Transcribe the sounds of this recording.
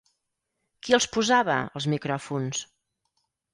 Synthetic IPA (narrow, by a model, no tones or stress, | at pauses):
kiəlˠspuzaβə̰əlˠzmikɾɔfuns